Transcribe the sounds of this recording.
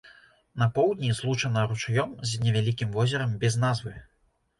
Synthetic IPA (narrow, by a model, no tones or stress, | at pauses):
nɐpɔwd̪nʲizlˠut͡ʂɐnɐɾut͡ʂajɔmzʲnʲɛvʲalʲikʲimvɔzʲɛɾɐmbʲɛznazvɨ